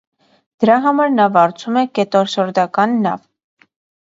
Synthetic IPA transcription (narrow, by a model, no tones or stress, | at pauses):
d̪̥əɾɑɦɑmɑɾnɑvɑɾt͡sʰumɛkɛt̪ɔɾʃɔɾd̪ɑkɑnːɑ̰v